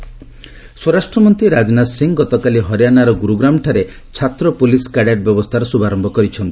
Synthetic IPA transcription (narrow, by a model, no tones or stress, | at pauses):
swɔɾasʈɾɔmɔnt̪ɾiɾad͡ʒnasiŋɡɔt̪ɔkaliɦɔɾjanaɾɔɡuɾuɡɾamʈʰaɾe | t͡ʃʰat̪ɾɔpuliskaɽjaʈ̚bjɔbɔst̪ʰaɾɔsubaɾɔmbʱɔkɔɾit͡ʃʰɔnt̪i̥